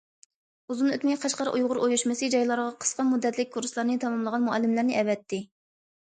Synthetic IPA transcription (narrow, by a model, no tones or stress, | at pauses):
uzunøt̪mɛjqʰɑʃqɑɾʔujʁʊɾʔojuʃmɨsɨd͡ʒɑjlˠɑɾʁɑqʰə̥sqɑmud̪ːɛt̪ʰlɪk̚ʲkʰːuɾslˠɑɾnɨt̪ʰɑmɑmlˠəʁɑnmuɛlːɨmlæɾnɪʔɛvɛt̪ʰːɪ